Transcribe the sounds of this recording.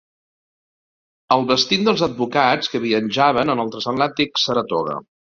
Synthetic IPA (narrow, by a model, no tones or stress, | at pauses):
əlˠβəst̪ind̪əlˠzəd̪̚bukat͡skəβiənʲʒaβənənəlˠt̪ɾəsəmlat̪iksəɾət̪ɔɣə̰